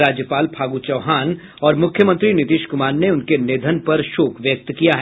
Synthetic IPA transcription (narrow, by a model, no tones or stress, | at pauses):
ɾaːd͡ʒjəpaːlpʰaːɡut͡ʃɐʋɦaːn | ɔːɾmʊkʰjəmə̃nt̪ɾinɪt̪iːʃkʊmaːɾneʊnkeneːd̪ʱənpɐɾʃoːkʰʋjək̚t̪kijaɦɛ